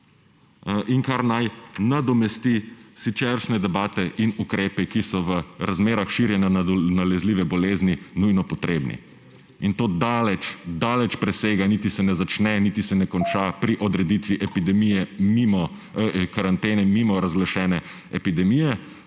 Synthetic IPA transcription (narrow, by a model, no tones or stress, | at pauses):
ʔiŋkaɾnajnad̪ɔmɛst̪isit͡ʃɛɾʃnɛd̪ɛbaːt̪ɛʔinukɾeːpɛkisɔʋəɾazmeːɾaxʃiɾjɛnjanalɛzliːʋɛbɔleːzninujnɔpɔt̪ɾeːbnḭ | int̪oːd̪alɛt͡ʃd̪aːlɛt͡ʃpɾɛseːɡanit̪isɛnɛzat͡ʃnɛnit̪isɛnɛkɔnt͡ʃapɾiʔɔd̪ɾɛd̪it̪ʋiʔɛpid̪ɛmijɛmimɔkaɾant̪eːnɛmimɔɾazɡlaʃɛːnɛ | ɛpid̪ɛmijɛ